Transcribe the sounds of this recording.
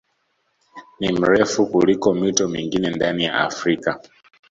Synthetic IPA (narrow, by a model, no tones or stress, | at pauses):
nim̩ɾɛfukulikɔmitɔmiŋɡinɛndanija̰afɾika